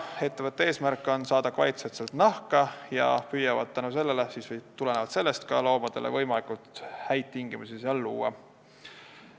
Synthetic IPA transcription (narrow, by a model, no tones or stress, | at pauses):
e̞t̪ːe̞vɤt̪ːˑee̞ːsmærkːˑo̞nsɑːd̪ɑkvɑjt̪set̪selt̪nɑhkɑjɑ̰pyːjɑvɑd̪̥̚t̪ːænuse̞lːele̞siːsvt̪ule̞nevɑd̪se̞lːe̞st̪kɑlo̞ːmɑd̪̥e̞̰lḛvɤ̞jmɑlikult̪hæjt̪̚t̪ːiŋɡ̥imusiseɑlːuːɑ̰